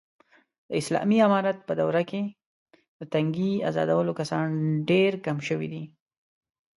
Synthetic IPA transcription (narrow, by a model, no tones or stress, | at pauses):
d̪̥əɪslɑ̰miamɑɾat̪̚pəd̪awɾake | d̪ət̪aŋɡia̰zɑ̰d̪awəlokasɑnɖeɾkamʃəwḭd̪i